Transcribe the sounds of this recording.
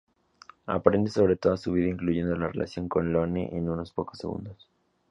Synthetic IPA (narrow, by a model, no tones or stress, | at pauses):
a̰pɾe̞nd̪eso̞βɾet̪o̞ðasuβiðaiŋkluʝe̞nd̪o̞larelʔa̰sjo̞ŋko̞nlonḛʔenuno̞spo̞ko̞sːe̞ɣṵnd̪o̞s